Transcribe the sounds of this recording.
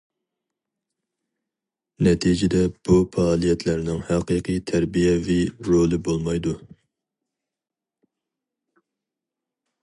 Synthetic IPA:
nɛt̪ʰid͡ʒɪd̪ɛb̥ufɑɑːlˠijɛt̪ʰlæɾnɪŋhæqɨqʰɨt̪ʰæɾbijɛviɾolˠɨbolˠmɑjd̪u

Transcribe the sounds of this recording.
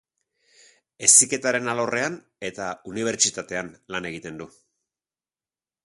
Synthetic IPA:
e̞sike̞t̪aɾe̞nalorʔe̞an | e̞t̪auniβ̞e̞ɾt͡ʃit̪at̪e̞anlane̞ɣit̪e̞nd̪u

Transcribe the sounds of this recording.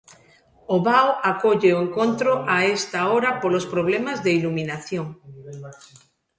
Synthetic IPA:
oβawakoʎeoeŋkont̪ɾoʔaest̪aoɾapolospɾoβ̞lemazðeilumĩnaθjoŋ

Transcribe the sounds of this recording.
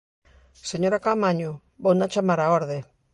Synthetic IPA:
seɲoɾakamaɲu | bownat͡ʃamaɾaoɾðe

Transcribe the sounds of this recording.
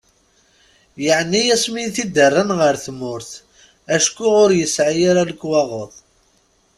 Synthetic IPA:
jəʕnijæsminθid̪ərˤːanʁəɾθmʊɾθ | æʃkːuʁʊɾjəsʕajaɾaləkːwɑʁoðˤ

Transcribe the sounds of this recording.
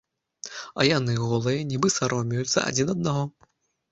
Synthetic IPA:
ɐ̰janɨɣɔlˠɨjɐnʲibɨsaɾɔmʲijut̪sːɐ̰ʔa̰d͡zʲinɐd̪̚naɣɔ

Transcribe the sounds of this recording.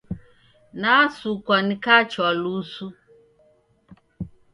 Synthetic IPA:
naasukʷɔnɪkat͡ʃɔlusu

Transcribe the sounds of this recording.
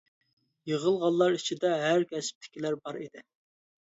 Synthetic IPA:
jəʁəlˠʁɑlˠːɑɾit͡ʃʰid̪ɛɦæɾkʲɛsp̚t̪ʰɪ̥kʲʰilæɾbɑɾid̪ɪ

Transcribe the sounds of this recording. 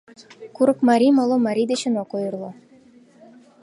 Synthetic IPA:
kuɾɤkmɑɾʲimɑlˠomɑɾʲid̪eɕə̆nokojɤrlˠo

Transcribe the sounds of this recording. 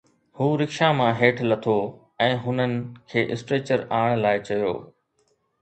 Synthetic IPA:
huːɾɪkʃamãɦeːʈʰlɐt̪ʰo | ɛ̃ːɦʊnənɪ̆kʰeːʔɪsʈɾeːt͡ɕəɾaːɽ̃laːɪt͡ɕɐjo̰ː

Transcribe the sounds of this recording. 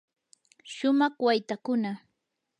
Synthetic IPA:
ʃʊmɑχwajt̪akʊna

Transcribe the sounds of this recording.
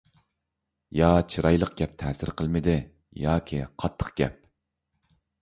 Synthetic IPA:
jɑt͡ʃʰiɾɑjlˠəq̚ɡʲɛp̚t̪ʰɛsɪɾqʰəlˠmɪd̪ɪ | jɑːkʲʰiqʰɑt̪ʰːə̥qɡ̥ʲɛ̰p̚

